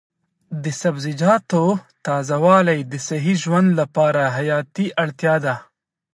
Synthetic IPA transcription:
d̪əsɐbzɪd͡ʒɑːt̪ot̪ɑːzawɑːlajd̪əsɐɦiʒwand̪lapɑːɾaɦajɑːt̪iʔɐɽt̪jɑːd̪a

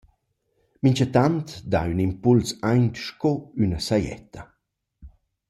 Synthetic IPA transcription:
miɲt͡ʃat̪ant̪d̪a̰ynimpulsajnt̪ʃkɔynasajɛ̰t̪ʰɐ

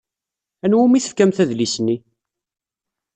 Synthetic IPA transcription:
ænwumiθə̥fkæmθæðlisənːi

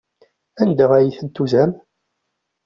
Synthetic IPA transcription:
ænd̪æʁæjiθənt̪ːuzæm

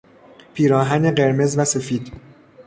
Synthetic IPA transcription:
pʰiːɾɒːɦæne̞ɢe̞ɾme̞zvæse̞fiːd̪̥

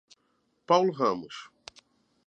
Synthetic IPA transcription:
pawlʊɦɐ̃mʊs

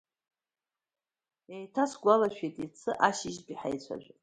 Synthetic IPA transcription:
ejtʰasɡʷalaʃᶣejtʼit͡sʰɨʔaʃiʒbʲiħajt͡ɕʷʰa̰ʒᶣʷ

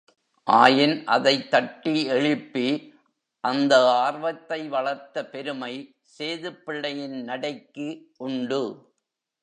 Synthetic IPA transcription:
ʔaːjɪnʔɐ̰ðɐɪt̪ːɐʈːiɛɭɪpːi | ʔɐnd̪ɐaːɾʋɐt̪ːɐɪʋɐɭɐɾt̪ːɐpɛɾɯmɐɪ | seːðɯpːɪɭːɐjɪnnɐɽɐɪkːɯʔʊɳɖɯ

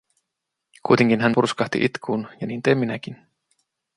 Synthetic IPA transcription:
kujt̪eŋk̟inɦænpurskɑht̪ḭʔit̪kʰuːnjɑniːnt̪emːinæk̟in

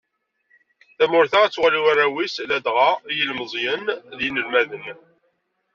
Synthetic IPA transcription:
θæmʊɾθaæt͡sːwʁliwarːæwislæd̪ʁɑjəlməzˤjənðjinəlmæðən

